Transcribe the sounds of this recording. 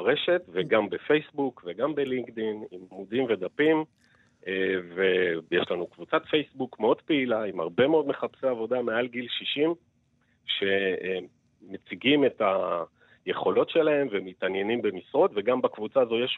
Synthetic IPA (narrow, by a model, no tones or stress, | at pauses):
ʁe̞ʃe̞tveɡambefe̞jsbukve̞ɡambeliŋkdinimmudimve̞d̪apim | evejeʃlanukvut͡sat̪fe̞jsbukmeo̞d̪peilaima̰ʁbe̞meo̞d̪me̞χapseavo̞damealɡilʃiʃim | ʃe̞e | met͡siɡime̞ta | je̞χo̞lo̞tʃe̞lae̞mvemːitanje̞nimbe̞misʁo̞tve̞ɡambakvut͡sazo̞jeʃ